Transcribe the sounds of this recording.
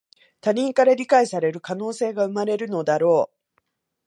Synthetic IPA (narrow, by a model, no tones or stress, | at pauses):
t̪aɲ̟ĩŋkaɾaɾʲikaisaɾe̞ɾɯ̟kano̞ːse̞ːɡaɯ̟maɾe̞ɾɯ̟no̞d̪aɾo̞ː